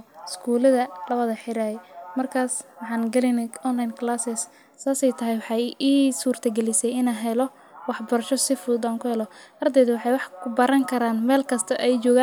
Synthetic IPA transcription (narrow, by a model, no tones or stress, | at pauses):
ɪskʰuːlɐðɐlɐβɐðɐħɪɾajɛmɐrkʰaːswɑħɑːnɡɐlɛnɛɔnlɐjnkʰlaːsɪsː | aːsɛjt̪ʰɐɦɛjwɑħɑjiːsuːrt̪ʰɐɡɛlɪsɛjɪnaːɦɛlɔ | wɑħbɐɾɐʃɔsɪfʊd̪aːŋkʰʊhɛlɔʔɐrd̪ɛːðʊwɑħɑjwɑħkʰʊbɐɾɐŋkʰɐɾaːnmɛːlkʰɐst̪ʰɐʔɛjt͡ʃɔːɣaːn